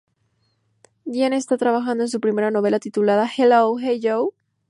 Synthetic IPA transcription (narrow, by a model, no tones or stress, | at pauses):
ɡjenest̪at̪ɾaβaxand̪oe̞ns̬upɾime̞ɾano̞β̞e̞lat̪it̪ulaðaxelowxeʝow